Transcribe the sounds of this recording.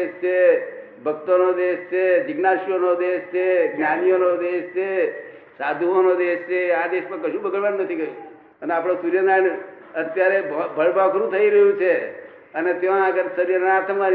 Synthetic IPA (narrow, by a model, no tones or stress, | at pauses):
eʃt͡ʃʰe | bʱək̚t̪onod̪eʃt͡ʃʰed͡ʒɪɡnaʃjonod̪eʃt͡ʃʰeɡnjanijonod̪eʃt͡ʃʰe | sad̪ʱuonod̪eʃt͡ʃʰeãd̪eʃmãkəʃũbəɡəɭʋanunət̪ʰikəjũ | əneapɽ̃õsuɾjəɡaɳ | ət̪jaɾebʱəɭbʱakɾũt̪ʰəiɾəɦjũt͡ʃʰe | ənet̪eʋãɡəɾsəɾjəneat̪ʰəmʋan